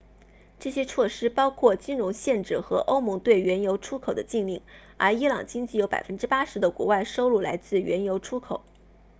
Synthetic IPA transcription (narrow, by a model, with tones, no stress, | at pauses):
ʈ͡ʂɤ˥˩ɕjɛ˥t͡sʰwɔ˥˩ʂɻ̩˥pɑ˥ʊkʰwɔ˥˩t͡ɕi˥nɻʊ˧˥ŋɕjɛ˥˧nʈ͡ʂɻ̩˥˩xɤ˧˥ʔo˥ʊmʊ˧˥ŋt̪we˥˩ɪɥɛ˧˥njo˧˥ʊʈ͡ʂʰu˥kʰo˨˩ʊd̪ə˦t͡ɕi˥˧ŋli˥˩ŋ | ə˞˧˥i˥lɑ˨˩ŋt͡ɕi˥ŋt͡ɕi˥˩jo˧˥ʊpa˨˩ɪfə˥nʈ͡ʂɻ̩˥pa˥ʂɻ̩˧˥d̪ə˧kwɔ̰˧˥wa˥˩ɪʂo˥ʊlu˥˩la˧˥ɪt͡sɹ̩˥˩ɥɛ˧˥njo˧˥ʊʈ͡ʂʰu˥kʰo˨˩˦